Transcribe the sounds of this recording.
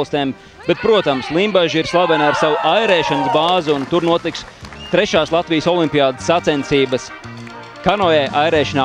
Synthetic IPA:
lˠst̪ɛːm | b̥ɛt̪̚pɾuɔt̪amslˠimbaʒiɾslˠabɛnaɾsawuʔajɾɛːʃanəsbaːzuunt̪uɾnuɔt̪iks | t̪ɾɛʃaːslˠat̪vijəsɔlˠimʲpʲijaːd̪ɨ̥sːat̪sɛnt̪siːbəs | kanɔɛʔajɾɛːʃanaː

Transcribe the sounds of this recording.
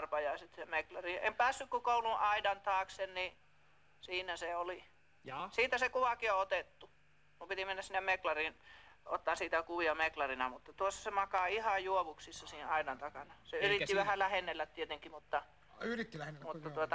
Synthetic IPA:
rpɑjɑsit̪semeklɑriempæːsːykkukoˑuluʔʔɑidɑnt̪ɑːksenni | siːnæseoli | siːt̪æsekuʋɑkioot̪et̪ːu | kumpit̪imenːæssinːemmeklɑriˑnot̪ːɑːˑnsiːt̪ækuʋiɑmeklɑrinɑmut̪ːɑt̪uosːɑsemɑkɑihɑjuoʋuksisːɑsiːhɑidɑnt̪ɑkɑnɑseyrit̪ːiʋæhælæhenːelːæt̪t̪iet̪eŋkːimut̪ːɑ | yrit̪ːilmuːɑuot̪ɑ

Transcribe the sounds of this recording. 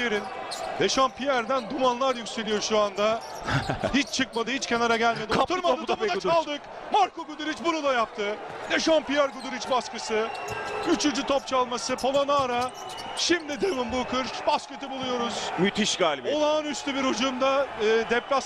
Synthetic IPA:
eɾin | d̪eʃanpʰijæɾd̪ænd̪umanlˠaɾjykʲse̞lʲijo̞ʃuand̪a | hit͡ʃt͡ʃʰɯk̚mad̪ɯhit͡ʃcʰʲe̞naɾaɟælʲmeiat̪ʰuɾmad̪at̪abud̪at͡ʃalˠd̪ɯk | maɾko̞ɡud̪uɾit͡ʃbuɾud̪ajapt̪ʰɯ | d̪e̞ʃanpijæɾɡud̪uɾit͡ʃbaskɯsɯyt͡ʃʰynd͡ʒyt̪ʰopt͡ʃʰalˠmasɯpʰolˠonaːɾa | ʃimd̪id̪evɯnbulkʰɯɾʃbaskø̞t̪ʰibulˠujo̞ɾuz̥myt̪ʰiʃɡaːlʲibolˠaːnyst̪ʰybiɾhod͡ʒund̪aɯːd̪ɛplʲas

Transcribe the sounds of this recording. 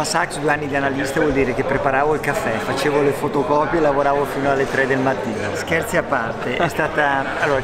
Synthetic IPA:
asaksd̪ueanːid̪ianalist̪avwɔld̪iːɾekepːɾepaɾaːvoilkafːɛfat͡ʃeːvolefot̪okɔːpjeelavoɾaːvofiːnoalːet̪ɾɛd̪elmat̪ːiːnoskɛrt̪siapːart̪eʔɛst̪aːt̪a | alːoːɾa

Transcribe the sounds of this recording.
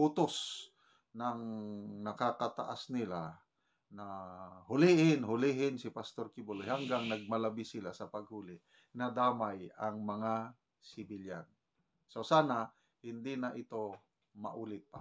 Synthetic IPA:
ut̪os | nɐŋnɐkakat̪a̰ʔasnɪla | nahʊlɪʔɪnɦʊlɪɦɪnsɪpast̪oɾkɪbolohaŋɡaŋnɐɡ̚mɐlɐbɪsɪlasɐpɐɡ̚huːlɪʔ | nɐd̪aːmajaŋmɐŋa | sɪbɪlja̰n | sosaːna | hɪnd̪ɪnaʔɪt̪o | mɐ̰ʔuːlɪt̪̚pa

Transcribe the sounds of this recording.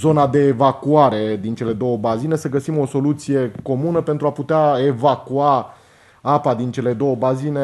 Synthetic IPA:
zo̞nad̪e̞ːvakuaɾe̞d̪int͡ʃe̞le̞d̪o̞wəbazine̞səɡəsimo̞so̞lut̪sije̞ko̞munəpe̞nt̪ɾuaput̪eaevakua | apad̪int͡ʃe̞le̞d̪o̞wəbazine̞

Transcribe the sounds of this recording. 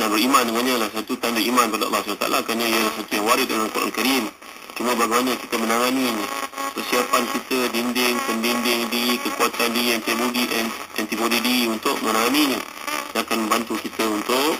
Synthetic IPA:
danbəɾimandəŋanɲəlasat̪ut̪andəimãnkəpadə̰lːɑslat̪a̰a̰la̰kɾanəijəlahs̬at̪ujaŋwaɾɪdəəŋakuɾʔa̰nkaɾim | t͡ʃumə̃baɡɛjmanəkit̪əmənaŋaniɲə̃pərsiapankit̪ədindɪŋpəndindɪŋdiɾikəkuat̪andiiɛnt̪ilodiʔnɛnt̪ibodidiɾiunt̪ʊʔmənaŋaniɲə̃ | nakanmə̃mbant̪ukit̪əunt̪ʊʔ

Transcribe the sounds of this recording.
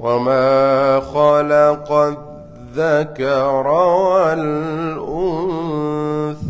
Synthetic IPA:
wamaːxɑlɑqɑ | ðakɑɾˤɑalʔʊnnθ

